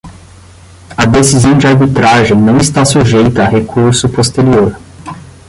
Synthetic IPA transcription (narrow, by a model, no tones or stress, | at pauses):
ɐd̪esizɐ̃w̃d͡ʒɪaɾbit̪ɾaʒẽj̃nɐ̃w̃ist̪asuʒejt̪ɐːɦekʰuɾsʊpost̪eɾioɾ